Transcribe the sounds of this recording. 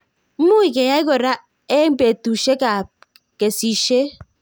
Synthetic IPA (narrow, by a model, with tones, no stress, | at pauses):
m̩˦mu˦i˨ke˨ja˦i˦ko˨ɾa˦ | e˦m̩˦be˨tu˨ʃe˦ka˨ | ke˨si˦ʃe˦